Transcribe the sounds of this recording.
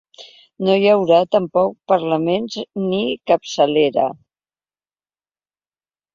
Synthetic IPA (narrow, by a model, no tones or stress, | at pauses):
nojəwɾat̪əmpɔk̚pəɾləmenznikəpsəleɾə̰